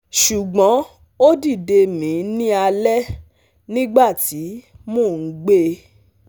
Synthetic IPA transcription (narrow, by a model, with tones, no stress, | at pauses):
ʃu˨ɡ͡bɔ̃˨˦ | o˦di˦˨de˧mĩ˨˦nĩ˦a˧lɛ˦ | nĩ˦ɡ͡ba˦˨ti˨˦ | mõː˦˨n̩˨˦ɡ͡be˦